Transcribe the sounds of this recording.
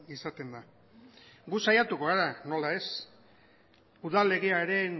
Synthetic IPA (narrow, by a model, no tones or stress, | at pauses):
isat̪e̞nd̪a | ɡusajat̪ukoɣaɾano̞lae̞s | uðale̞ɣeaeɾe̞n